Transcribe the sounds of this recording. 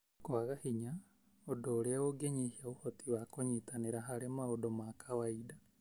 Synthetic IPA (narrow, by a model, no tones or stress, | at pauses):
koaɣahiɲa | odoːɾeaoɡeɲihiaohotʰiwakoɲitaneɾaɦaɾemaodomakʰawaida